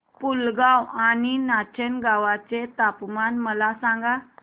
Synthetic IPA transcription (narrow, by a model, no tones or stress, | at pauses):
pulɡawaninat͡ɕənɡaʋat͡set̪apmanməlasãŋɡal